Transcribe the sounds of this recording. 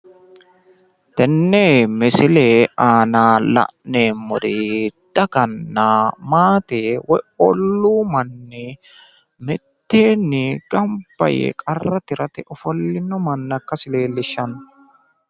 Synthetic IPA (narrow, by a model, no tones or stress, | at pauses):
t̪ɛnːeːmɛsɪleːʔaːnaːlɐ̰ʔneːmːɔd̪id̪̥ɐɡɐnːɐmaːt̪eːwɔjɔlːuːmɐnːɛ | mɪt̪ːeːnːɪɡ̥ɐmbɐ̰jḛkʼɐrːɐt̪ɪɾɐt̪ɛʔɔfɔlːɪnːɔmɐnːɐkːɐsɪle̞ːlːɪʃːɐn